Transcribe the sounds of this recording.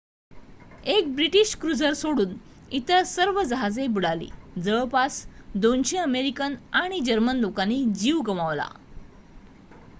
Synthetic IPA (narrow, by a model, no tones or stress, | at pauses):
ek̚bɾiʈiɕkɾud͡zəɾsoɽuːn | it̪əsəɾʋəd͡zəɦad͡zebuɽalḭːd͡zəɭpasd̪onɕeəmeɾikənaɽ̃id͡ʑəɾmənlokaniːd͡ʑiʋɡəmaʋla̰